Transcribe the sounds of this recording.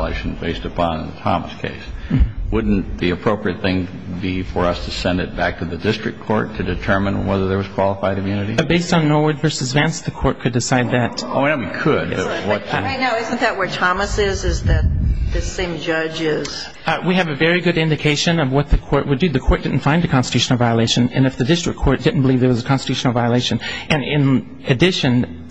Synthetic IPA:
lḛɪʃn̩beɪstɨpʰɑ̃nətʰɑ̰mə̰skʰḛɪswʊdⁿn̩ðiɨpʰɹ̥oʊpɹiɨt̪̚θɪ̃ŋ | bifə˞ʌstʰɨsɛ̃ndɨt̚b̥æk̚tʰɨðɨdɪstɹ̥ɨkʰːɔ̰ɹtʰɨdɨtʰɜ̃˞mɨ̃nwɛðə˞ðə˞wʌz̥kʰw̥ɑlˠəfaɪɾɨ̃mjʉnɨɾḭɨbeɪstn̩nɔɹwə˞dvɜ˞sɨzvæ̃nsðɨkʰɔɹt̚kʰɨdɨsaɪd̪̚ðɨt̚onoʊwikʰəd̰̚bʌwʌt̚ɪnaʊɪzɨ̃n̩ðɨʔ̚wə˞tʰɑməsɪzɪzðɨt̪̚ðɨsẽɪ̃md͡ʒʌd͡ʒɪz̥ | wiɨvɨvɛɹiɡʊɾɪ̃ndɨkʰeɪʃɨ̃nʌvwʌt̪̚ðɨkʰɔɹʔ̚wədɨðɨkʰɔɹt̚d̥ɪdⁿn̩tfãɪ̃ndɨkʰɑ̃nstə̥tʰʉʃn̩l̩ˠvaɪəleɪʃɨ̃nɨ̰̃nɨfðɨdɪstɹ̥ɨ̰k̚kʰɔɹt̚d̥ɪdⁿn̩b̥əlivðə˞wʌzəkʰɑ̃nstɨtʰʉʃnl̩ˠvaɪəleɪʃɨ̃nʔɨ̃nɪ̃n | ɨdɪʃɨ̃n

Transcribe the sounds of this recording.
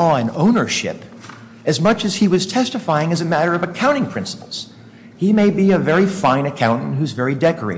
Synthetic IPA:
ɔɨ̃nõʊ̃nə˞ʃɪ̰p | ɨzmʌt͡ʃɨz̥iwʌz̥tʰɛstɨfaɪɪ̃ŋɨzɨmæɾə˞ʌvɨkʰãʊ̃ɾ̃ɪ̃ŋpʰɹ̥ɪ̃nsə̥pl̩ˠz̥ | himeɪbiɨvɛɹifãɪ̃nɨkʰãʊ̃ñtn̩hʉzvɛɹidɛkə˞ḛɪ

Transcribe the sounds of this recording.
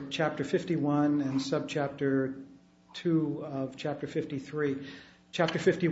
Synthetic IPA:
t͡ʃʰæp̚tə˞fɪftiwʌ̃nɨ̃nsʌb̚t͡ʃʰæp̚tə˞ | tʰʉʌv̥t͡ʃʰæp̚tə˞fɪftiθɹi | t͡ʃʰæp̚tə˞fɪfti

